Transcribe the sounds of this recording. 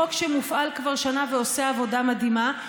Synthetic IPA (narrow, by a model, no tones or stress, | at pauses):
okʃemufʔalkvaʁʃanaveoseavo̞damadhima